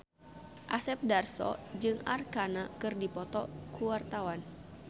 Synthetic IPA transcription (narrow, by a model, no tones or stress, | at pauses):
ʔasɛp̚darsɔ̰d͡ʒɨŋa̰rkanakɨrdipɔt̪ɔkuwart̪awan